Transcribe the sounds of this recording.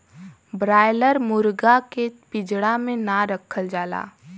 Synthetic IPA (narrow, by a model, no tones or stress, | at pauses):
bɾaːjləɾmʊɾɡakepɪd͡ʒɽamẽnaɾəkʰəld͡ʒaːla̰ː